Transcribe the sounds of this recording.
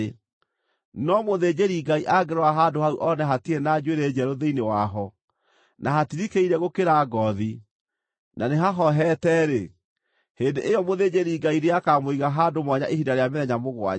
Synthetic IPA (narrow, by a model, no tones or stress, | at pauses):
nɔmoðed͡ʑeɾiɡaiʔaɡeɾɔaɦadohauʔɔnɛɦatienaːd͡ʒweɾed͡ʒɛɾoðeinewaɦɔ | naɦatiɾikeiɾɛɣokeɾaɡɔði | naneɦaɦɔɦɛtɛɾe | heːndeʔejɔmoðed͡ʑeɾiɡaiɾeakamoiɣaɦadomwɔɲaʔehidaɾeameðɛɲamoɣwa̰